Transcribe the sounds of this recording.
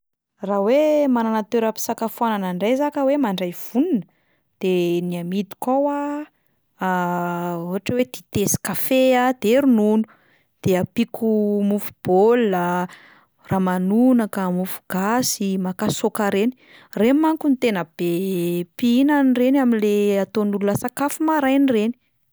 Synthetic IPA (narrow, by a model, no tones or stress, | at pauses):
rawemananat̪eɾapi̥sakafuananaɳɖ͡ʐajzakəwemaɳɖ͡ʐajv̥uninə | d̪̥eniamit̪i̥kawa | uɦaʈ͡ʂəwed̪̥it̪esi̥kafead̪̥eɾununu̥ | d̪̥eapikʰumufu̥b̥ola | ramanunakamufu̥ɡ̥asimakasokaɾeni | remaŋkunit̪enəb̥epiinənirenaminleat̪onululasakafumaɾajnireni̥